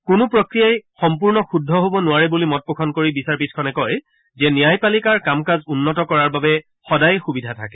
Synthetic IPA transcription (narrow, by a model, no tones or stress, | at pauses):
kʊnʊpɹɔkɹijajxɔmpuɹnɔxudʱːɔɦobɔnʊwaɹɛbulimɔt̚pokʰɔnkoɹibisaɹpiskʰɔnɛkɔj | zɛnijajpalikaɹkamkazunːɔtɔkɔɹaɹbabɛ | xɔdajxubidʱatʰakɛ